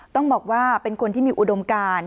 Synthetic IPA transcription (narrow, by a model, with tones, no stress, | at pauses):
t̪ɔ˥˩ŋbɔː˨˩k̚waː˥˩pe˧nkʰo˧nt̪ʰiː˥˩miː˧ʔu˨˩do˧mkaː˧n